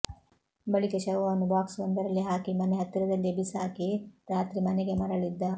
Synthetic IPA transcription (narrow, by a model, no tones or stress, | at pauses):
bɐɭikɐʃɐʋʋaːnubaːksbɐnd̪ɐɾɐlːiɦaːkimɐneɦɐt̪ːiɾɐd̪ɐlːiɐbisaːkiɾaːt̪ɾimɐneɡe̞mɐɾɐɭid̪ːɐ